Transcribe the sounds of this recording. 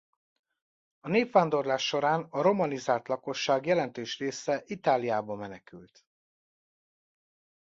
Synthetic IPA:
ɒneːpʋaːnd̪o̞rlaːʃːo̞ɾaːnɒɾo̞mɒnizaːlt̪lɒko̞ʃːaːɡjɛlɛnt̪øːʃreːsɛʔit̪aːlijaːbɒmɛnɛkylt̪

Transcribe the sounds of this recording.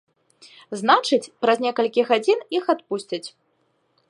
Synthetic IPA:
znat͡ʂɨt͡sʲpɾɐzʲnʲɛkɐlʲkʲiɣad͡zʲinixat̪̚pusʲt͡sʲɐt͡sʲ

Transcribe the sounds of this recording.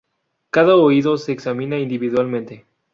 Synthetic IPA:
kaðaoiðose̞ːksamĩnaind̪iβiðwalmẽnt̪e̞

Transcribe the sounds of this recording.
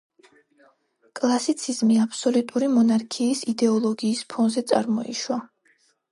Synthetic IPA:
kʼlˠasit̪sʰizmiapʰsɔlut̪ʼuɾimɔnaɾkʰiːsid̪ɛɔlˠɔɡiːspʰɔnzɛt̪sʼa̰ɾmɔḭʃwa

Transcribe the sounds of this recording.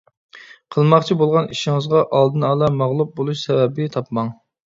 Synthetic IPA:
qʰəlˠmɑqt͡ʃʰibolˠʁɑniʃiŋəzʁɑʔɑlˠd̪ɨnɑːlˠɑmɑʁlˠup̚bolˠuʃsɛvɛbɪt̪ʰɑpmɑŋ

